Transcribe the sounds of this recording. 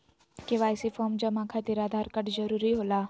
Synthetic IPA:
keʋaːjsifɔːɾmd͡ʒɐmakʰat̪iɾaːd̪ʱaːɾkɐʈd͡ʒɐɾuːɾiɦoːlaː

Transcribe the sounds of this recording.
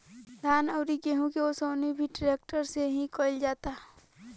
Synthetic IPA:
d̪ʱaːnəʊɾikeɦũkiosoːnibʱiʈɾeːk̚ʈəɾseɦĩkoːɪld͡ʒaːt̪aː

